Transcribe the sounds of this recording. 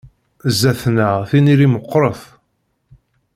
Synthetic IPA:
zːæθnəʁθiniɾiməqːɾˤəθ

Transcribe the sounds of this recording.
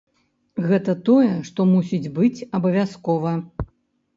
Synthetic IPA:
ɣɛt̪ɐt̪ɔjɛʂt̪ɔmusʲid͡zʲbɨt͡sʲɐbɐvʲaskɔvɐ

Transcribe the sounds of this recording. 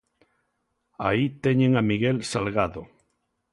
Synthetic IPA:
ait̪eɲeŋamiɣelsalɣaðo

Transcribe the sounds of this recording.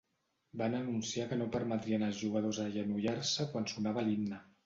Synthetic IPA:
banənunsiakənopəɾmət̪ɾiənəlˠzʒuɣəð̞ozəʒənuʎarsəkwansunaβəlimnə

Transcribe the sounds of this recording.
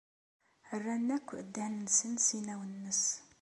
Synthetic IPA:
ərːænːækʷːʔəd̪ːænnsənsinæwənːəs

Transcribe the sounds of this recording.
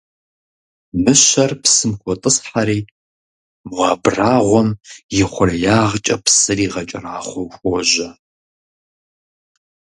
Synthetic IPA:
mɨʃɐrpsɨmkʷʰɔtʼɨsħaɾiː | mwaːbraːʁʷɔmjɪχʷʊrɐjaːʁt͡ʃʼɐpsɨriːʁɐt͡ʃʼɐraːχʷɔwxʷɔʒɐ

